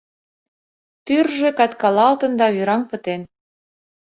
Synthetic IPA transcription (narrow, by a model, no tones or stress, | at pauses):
pyrʒĕkɑt̪kɑlɑlt̪ə̆nd̪ɑβyɾɑmpə̆t̪en